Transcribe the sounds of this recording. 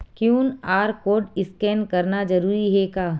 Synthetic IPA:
kjuːnaːɾkoːɖɪskɛːnkɐɾnad͡ʒɐɾuːɾiɦɛkaː

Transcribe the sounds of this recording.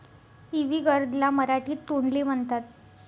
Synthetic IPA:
iʋiːɡəɾd̪laməɾaʈiːt̪ːuɳliːm̤əɳt̪at̪̚

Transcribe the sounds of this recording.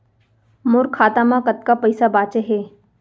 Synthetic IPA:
mʊɾkʰːaːt̪amãkɐt̪̚kapɐɪsabaːt͡ʃeɦeː

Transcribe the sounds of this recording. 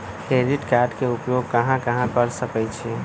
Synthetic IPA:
kɾeɾiʈkaɾɖkeupjoɡ̚kəɦãkəɦãkəɾsəkɛt͡ʃʰe

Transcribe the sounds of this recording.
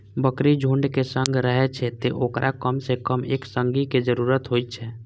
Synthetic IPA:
bəkɾid͡ʒʱuɳɖkesə̃ŋɡʱɾəɦɛt͡ʃʰɛt̪eʔoːkɾʔakəmsekəmḛːksə̃ŋɡiked͡ʒəɾuːɾət̪ɦoːit̪̚t͡ʃʰɛ

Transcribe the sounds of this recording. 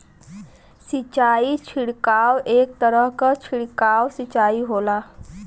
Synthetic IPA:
sit͡ɕaiːt͡ɕʰiɽkawek̚t̪əɾəɦkat͡ɕʰiɽkaʋsit͡ɕaiːɦola

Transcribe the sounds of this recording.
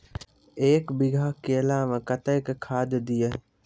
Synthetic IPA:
eːkbɪɡʱaːkeːlaːʋə̃kət̪əkkʰaːd̪d̪ije

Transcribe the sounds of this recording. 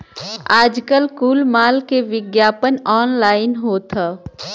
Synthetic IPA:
aːd͡ʒkəlkuːlmaːlkeʋɪɡjaːpənɔːnlaːɪnɦoːt̪ʰaː

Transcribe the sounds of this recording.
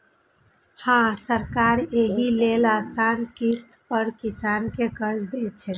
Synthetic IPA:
hãsəɾkaɾeɦilelasankist̪pəɾkisankekəɾd͡ʒd̪et͡ʃʰɛ

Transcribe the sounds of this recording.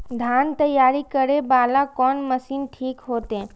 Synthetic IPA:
d̪ʱjaːnt̪əjaːɾikəɾebaːlakɔːnməsiːnʈʰiːkɦoːt̪eɦɛ̃ː

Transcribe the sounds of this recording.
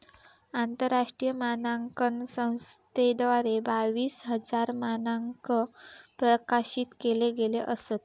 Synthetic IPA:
ant̪əɾːaʂʈɾijəmanaŋkənsə̃w̃st̪ed̪ʋaɾebaʋiːsɦəd͡zaɾmanaŋkəpɾəkaɕiːt̪keleɡeleʔəset̪̚

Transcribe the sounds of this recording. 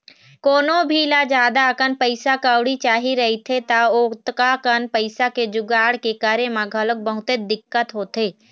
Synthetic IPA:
koːnobʱilad͡ʒjaːd̪akənpəɪsakawɽit͡ʃaːɦiɾɐɦit̪ʰet̪aoːt̪kakənpəɪsaked͡ʒʊɡaːɽkekaːɾemãɡʱələk̚bəɦʊt̪ed̪ɪkːət̪ɦoːt̪eː

